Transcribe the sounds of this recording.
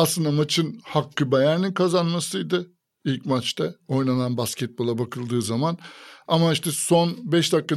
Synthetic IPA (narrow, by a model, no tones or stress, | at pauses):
aslˠɯnd̪amat͡ʃʰɯnhakʰːɯbɛjæɾninkʰazanmasɯjd̪ɯ | ilʲcmat͡ʃt̪ʰao̞jnananbascʰɛt̪̚bo̞lˠabakʰɯlˠd̪ɯːzamanamaiʃt̪ɛso̞nbɛʃd̪akːa